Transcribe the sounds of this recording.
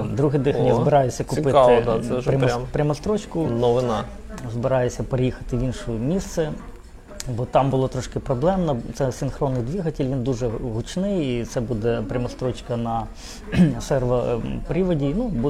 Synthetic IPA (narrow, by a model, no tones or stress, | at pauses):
d̪ɾuɦɪjd̪ɪxjazbɪɾɑjʊsʲːɐkʊɪpɪt̪ɪd̪ɛɾʲɐmmpɾʲɐmɐst̪ɾɔt͡ʃkʊnɔʋɪnɑ | zbɪɾɑjʊsʲɐpeɾejixɐ̥t̪ɪʋʲinʃʊmʲist̪sɛ | bɔt̪ɑmbʊlˠɔt̪ɾɔʃkɪpɾɔblˠɛmnɐt̪sɛsʲɪnxɾɔnːɪjd̪ʲʋʲiɦɐtʲɪlʲʋʲind̪uʒɛɦʊt͡ʃnɪjit̪sɛbud̪ɛpɾʲɐmɐst̪ɾɔt͡ʃkɐnɐ | sɛrʋɐpɾʲiʋɐdʲinubu